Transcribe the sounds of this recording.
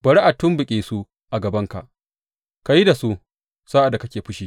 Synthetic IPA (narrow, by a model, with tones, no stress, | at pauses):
bɐ˨ɽi˦ʔa˨tːʊ˦mbʊ˨kʲʼeː˨su˦ | ʔa˨ɡɐ˨bɐ˦ŋka̰˨ʔ | ka˨ji˦da˨su˦ʔ | sa˦ʔa˨da˨kɐ˦kʲeː˨ɸʊ˦ʃiː˦